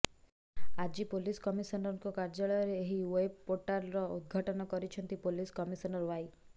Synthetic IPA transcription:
ad͡ʒipoliskɔmisɔnɔɾŋkɔkaɾd͡ʒaɭɔjɔɾeːɦiweeb̚poɾʈaɾɾɔud̪̚ɡʱaʈɔnɔkɔɾit͡ʃʰɔnt̪ipoliskɔmisɔnɔɾɔwaj

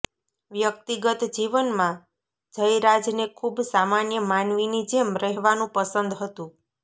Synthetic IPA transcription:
ʋjək̚t̪iɡət̪d͡ʒiʋənmã | d͡ʒəjɾad͡ʒnekʰubsamanjəmanʋinid͡ʒemɾəɦʋanũpəsənd̪ɦət̪ũ

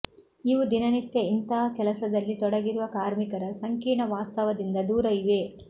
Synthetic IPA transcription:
iʋud̪inɐnit̪jɐint̪ɐɦɐkɛlɐsɐd̪ɐlːit̪ɔɽɐɡiɾuʋɐkaːɾmikɐɾɐsɐŋkiːɳɐʋaːst̪ɐʋɐd̪ind̪ɐd̪uːɾɐiʋe

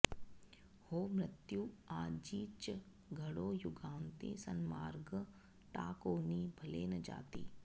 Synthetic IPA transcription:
hoːmɾɪt̪juaːd͡ʒiːt͡ʃ | ɡʱɐɽoːjʊɡaːnt̪ḛ̃sɐnmaːɾɡ | ʈa̰ːkoːniːbʱɐleːnɐd͡ʒa̰ːt̪ḭː

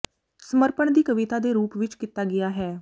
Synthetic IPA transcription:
səməɾpəɳd̪iːkəʋɪt̪aːd̪eːɾuːpʋɪt͡ʃkɪt̪aːɡɪjaːɦɛː

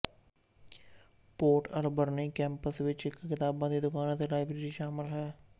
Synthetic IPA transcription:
poːɾʈəlbəɾneːkɛ̃ːmpəsʋɪt͡ʃɪkkːɪt̪aːbãːd̪iːd̪ʊkaːnãːt̪elaːɪbɾeːɾiːʃaːmɪlɦɛː

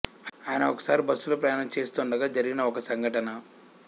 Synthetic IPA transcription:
aaːjɐnɐɔkɐ̥saːɾibɐsːuloːpɾɐjaːɳɐmt͡ʃe̞ːst̪oːɳɖɐɡaːd͡ʒɐɾiɡinɐɔkɐsɐŋɡʱɐʈɐnɐ

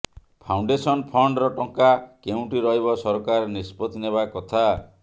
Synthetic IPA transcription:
pʰawɳɖesɔnpʰɔɳɖɾɔʈɔŋkakeũʈiɾɔɦibɔsɔɾkaɾnispɔt̪ineβakɔt̪ʰa

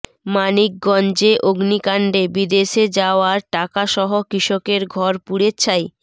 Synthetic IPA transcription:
manik̚ɡɔnd͡ʑeʔoɡnikaɳɖebid̪eʃed͡ʑaoaɾʈakaʃɔɦokɾiʃokeɾɡʱɔɾpuɽet͡ɕʰaj

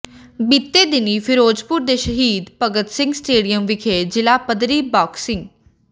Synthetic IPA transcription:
bit̪ːeːd̪ɪniːpʰɪɾoːd͡ʒpuɾd̪eːʃəɦiːd̪pəɡət̪sɪ̃ŋɡsʈeːɖijəmʋɪkʰeːd͡ʒɪlaːpəd̪ɾiːbɔːksɪ̃ŋɡ

